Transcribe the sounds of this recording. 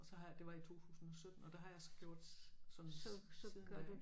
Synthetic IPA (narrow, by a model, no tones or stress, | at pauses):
ɒsɒ̽ɦɑd̥e̝ʋɑ̈it͡sʰo̝̰ːt͡sʰṵːsn̩ɒ̽sød̥n̩ɒ̽d̥eɦɑ̈jɑ̈ɪsɒ̥̽ɡ̥jo̝ɐ̰d̥sɒ̽msssið̥æ̥